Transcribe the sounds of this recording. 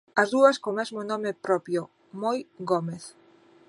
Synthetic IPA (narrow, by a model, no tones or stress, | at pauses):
ɐzðuɐskomɛzmonɔmepɾɔpjo | mojɡomeθ